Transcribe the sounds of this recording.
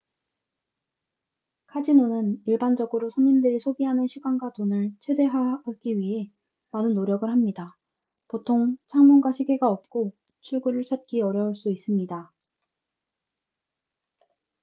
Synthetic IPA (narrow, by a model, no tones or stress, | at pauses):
kʰad͡ʑinonɯniɭband͡ʑʌɡɯɾosʰoɲimdɯɾisʰoɡiɦanɯnɕʰiɡwanɡwatonɯɭt͡ɕʰwe̞de̞ɦaɡ̥iɥiɦe̞ | manɯnːoɾjʌɡɯɭhamɲida | potʰoŋt͡ɕʰaŋmunɡwaɕʰiɡe̞ɡaʌp̚k͈o | t͡ɕʰuɭɡuɾɯɭt͡ɕʰat̚k͈iʌɾjʌuɭs͈uis͈ɯmɲida